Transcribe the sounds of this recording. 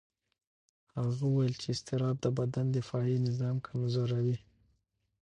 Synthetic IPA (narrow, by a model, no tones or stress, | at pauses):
haɣawwajəlt͡ʃeːst̪ɪɾɑb̚d̪əbad̪and̪əfɑjinɪzɑmkʰamzoɾawi